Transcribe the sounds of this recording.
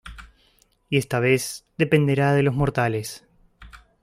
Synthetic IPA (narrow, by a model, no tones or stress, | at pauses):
iest̪aβ̞ezðe̞pe̞nd̪eɾaðe̞lo̞zmo̞ɾt̪ales